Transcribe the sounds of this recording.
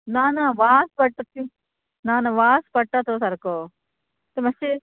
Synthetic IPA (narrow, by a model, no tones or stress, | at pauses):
naːnɐʋaːspɐʈʈːɐt̪ːi | naːnɐʋaːspɐʈːat̪osɐɾko | t̪emɐse